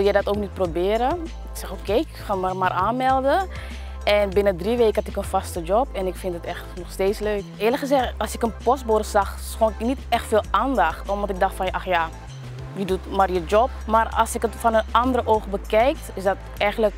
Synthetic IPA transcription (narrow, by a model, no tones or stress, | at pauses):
ʋɪlˠjɛjdɑtoːk̚nit̚probɪːɾə | ɪksɛxokeːɪkχaːmamaːrʔaːnmɛlˠdə | ʔɛnbɪnədriʋeːkəhɑtɪkənfɑstəd͡ʒɔpɛnɪkfɪntətɛxtnɔχsteːsløːkɪːləkχəzɛxtɑlˠsɪkənpɔsborsɑχ | sxoːnɪknitɛxtfeːlˠaːndɑχtɔmʋɔntɪk̚dɑχtfɑnɑxja | ʋidutmarjəd͡ʒɔp̚maːrɑ̰lˠsɪkətfɔnənɑndəɾəʔowχbəkɛjk̚tɪsdɑt | ɛjχənlək